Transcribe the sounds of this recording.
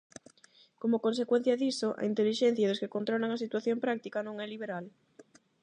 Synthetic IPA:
komokonsekwen̟θjɐðisoʔɐ̰int̪eliʃɛn̟θjaðoskekont̪ɾolaŋɐsit̪waθjompɾak̚t̪ikɐnõŋɛliβ̞eɾal

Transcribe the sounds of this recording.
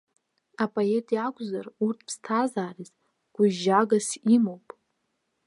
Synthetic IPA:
apʼoetʼiakʷʰʼzarurtʰpʰstʰazaːriz | ɡ̥ʷʊʒaɡasimowpʼ

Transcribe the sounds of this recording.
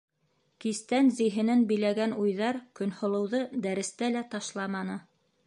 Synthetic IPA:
kist̪ænzĭjɦɘ̆nænbɘ̆jlæɡænujðɑɾkɵ̆nhŏlˠɤ̆wðɤd̪æɾɘ̆st̪ælæt̪ɑʃlˠɑmɑnɤ

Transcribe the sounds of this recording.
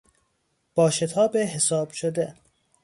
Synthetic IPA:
b̥ɒːʃet̪ʰɒːbeɦesɒːb̥ʃod̪e

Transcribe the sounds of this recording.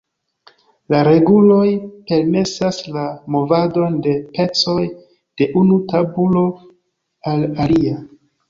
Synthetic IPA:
laɾe̞ɡulo̞jpe̞ɾme̞saslamo̞vado̞nde̞pe̞t͡so̞j | d̥e̞ʔunutabulo̞ | alalia

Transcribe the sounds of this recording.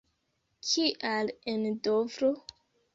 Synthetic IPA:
kʰiʔalendovɾo

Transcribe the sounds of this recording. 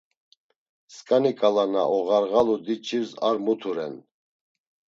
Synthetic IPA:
skʼanikʼalana̰ʔɔɣaɾɣalud̪it͡ʃʰiɾza̰ɾmut̪ʰuɾɛ̰n

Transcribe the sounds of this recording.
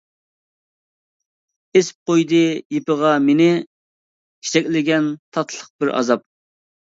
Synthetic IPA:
esp̚qojd̪ɨjepəʁɑmenɪ | kʲʰe̥t͡ʃʰɛkʲlɪɡʲɛnt̪ʰɑt̪ʰlˠəq̚bɪɾɑ̰zɑp̚

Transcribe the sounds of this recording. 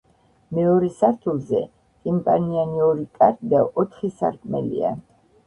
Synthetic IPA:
mɛɔɾɛsaɾt̪ʰulˠzɛ | t̪ʼimpʼanianiɔɾikʼaɾt̪ʼd̪aʔɔt̪ʰχisa̰ɾkʼmɛ̰lḭa̰

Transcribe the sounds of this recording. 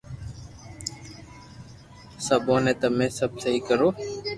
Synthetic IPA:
səboːnẽːt̪əmẽːsəb̚səɦiːkəɾoː

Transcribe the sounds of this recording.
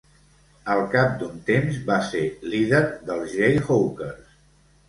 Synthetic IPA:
əlˠkap̚d̪unt̪emzbaseliðəɾðəlˠzʒɾejɣowkəɾs

